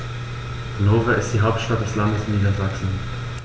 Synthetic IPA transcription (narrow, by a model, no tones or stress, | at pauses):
ɡ̥noːvaɪstd̥iːɦaʊp̚tʃtat̚d̥ɛslandəsniːdɐzaksn̩